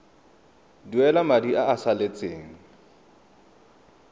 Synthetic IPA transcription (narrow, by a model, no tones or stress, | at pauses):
duɛlamadiʔaʔːsalet͡sʼeːŋ̩